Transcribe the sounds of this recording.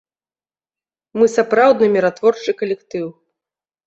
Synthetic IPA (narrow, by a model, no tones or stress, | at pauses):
mɨsapɾawd̪nɨmʲiɾat̪vɔrt͡ʂɨkɐlʲɛkt̪ɨw